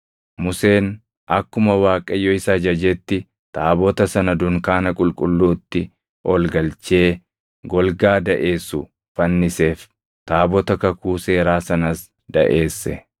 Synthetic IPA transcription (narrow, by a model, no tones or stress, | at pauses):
mʊse̞ːn | ʔɐkːʊmɐwaːkʼɐjːɔɪsad͡ʒɐd͡ʒɛt̪ːɪ | t̪aːbɔt̪ɐsɐnɐd̪ʊŋkaːnɐkʼʊlkʼʊlːuːt̪ːɪ | ʔɔlɡɐlt͡ʃe̞ː | ɡɔlɡaːd̪ɐʔe̞ːsʊ | fɐnːɪse̞ːf | t̪aːbɔt̪ɐkɐkuːse̞ːɾaːsɐnɐs | d̪ɐ̰ʔe̞ːsːɛ